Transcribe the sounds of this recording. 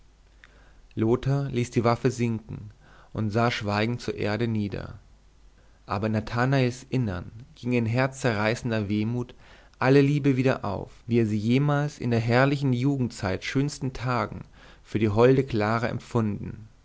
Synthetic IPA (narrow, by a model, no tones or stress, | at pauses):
loːtʰɐliːsd̥iːvafəzɪŋkŋ̩ʔʊntz̥aːʃv̥aɪɡŋ̩tt͡suːɐʔḛːɐɾəniːdɐ̰ | ʔaːbɐnatʰanaɪsʔɪnɐnɡ̥ɪŋɪnɦɛɐt͡st͡sɛɐʁaɪsn̩dɐveːmuːt | ʔaləliːbəviːdɐ̰ʔa̰ʊfviːeːɐziːjeːmaːlsɪ̰ndeːɐɦɛɐlɪçn̩juːɡŋ̩tt͡saɪtʃøːnstn̩tʰaːɡŋ̩ | fyːɐdiːɦɔldəkl̥aːʁəʔɛ̰mfʊndn̩